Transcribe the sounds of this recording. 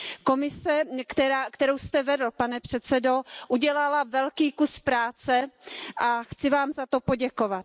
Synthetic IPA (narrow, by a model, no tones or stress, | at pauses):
ko̞mɪsɛkt̪ɛɾaːkt̪ɛɾowst̪ɛvɛdl̩panɛpr̝̥ɛt̪t͡sɛdo̞ʔuɟɛlalavɛlkiːkuspɾaːt͡sɛʔaxt͡sɪvaːmzat̪o̞poɟɛkovat̪̚